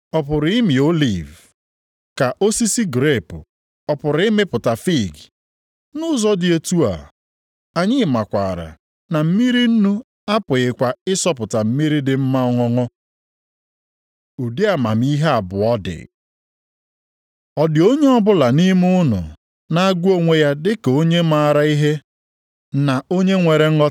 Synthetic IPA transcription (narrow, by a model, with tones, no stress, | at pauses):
ɔ˨pʊ˨ɾɪ˦mɪ˨o˦li˨v | ka˨ʔo˦si˦si˦ɡɾe˦˨pʊ˨ | ɔ˨pʊ˨ɾɪ˦me˦pʊ˨ta˨fi˦˨ɡi˨ | nʊ˦zɔ˦dɪ˦e˦tu˦a̰˨ | a˨ɲɪ˦˨ma˨kʷa˨ɾa̰˨ | na˨m̩˦mi˦ɾi˦n̩˦nu˦ | a˦pʊ˨ɪ˨kʷa˨ɪ˦sɔ˦pʊ˨ta˨m̩˦mi˦ɾi˦dɪ˨m̩˦ma˦ɔ˦ŋɔ˦ŋɔ˦ | u˨di˦a˨ma̰˨m˦i˦ɦe˦a˨bʊ˨ɔ˦dɪ̰˨ | ɔ˨dɪ˨o˦ɲe˦ɔ˦bʊ˦la˨ni˦m˦ʊ˦nʊ̰˨ | na˨a˦ɡʷu˦o˦ŋʷe˨ja˦dɪ˦ke˨o˦ɲe˦ma˦˨ɾa˨i˦ɦe˦ | na˨o˦ɲe˦ŋʷe˨ɾe˨ŋ̩˦ɔ˦